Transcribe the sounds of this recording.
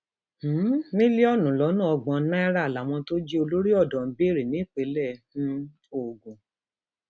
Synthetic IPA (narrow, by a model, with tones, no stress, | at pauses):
h̩˨˦nĩ˦li˦ɔ˦˨nũ˨lɔ˨˦nũ˦ɔ˧ɡ͡bɔ̃˧˦nã˦i˦ɾa˦˨la˨w̃ɔ̃˧to˦d͡ʒi˦o˧lo˦ɾi˦ɔ˦˨dɔ̃˨m̩˨˦be˦˨ɾi˨nĩ˨˦˨k͡pe˨˧˦lɛ̃˦˨˦ | o˦˨ɡũ˨